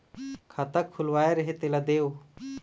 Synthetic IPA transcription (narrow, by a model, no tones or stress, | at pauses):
kʰat̪akʰːʊlʋaːeɾɐɦet̪elad̪eːw